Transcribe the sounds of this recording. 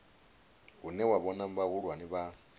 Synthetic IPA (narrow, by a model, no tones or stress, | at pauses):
ɣunɛwaβɔnam̩baɣuɺwaniβa